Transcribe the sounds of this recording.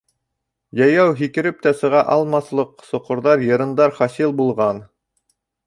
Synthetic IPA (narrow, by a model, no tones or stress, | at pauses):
jɑjɑwɦikɘ̆ɾɘp̚t̪æsɤ̆ʁɑʔɑlˠmɑslˠɤqsŏqŏɾðɑɾjɤ̆ɾɤ̆nd̪ɑɾχɑsilˠbulˠʁɑn